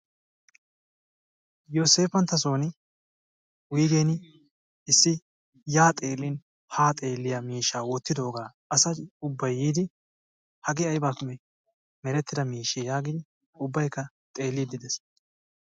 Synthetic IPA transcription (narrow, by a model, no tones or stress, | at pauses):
joːse̞ːfɐnt̪ːɐs̬o̞ːnɪ | wijɡeːn | ɪsːɪ | jaːt̪ʼeːlːɪn | haːt̪ʼe̞ːlːɪjamiːʃaːwɔt̪ːɪd̪o̞ːɡaː | ɐsɐʊbːɐjːiːd̪ɪ | hɐɡɪɐjbaːkʊmɛ | mɛɾɛt̪ːɪd̪ɐmiːʃɛjaːɡɪd̪ɪ | ʊbːɐjkːɐ | t̪ʼe̞ːlːɪd̪ɪd̪ɛs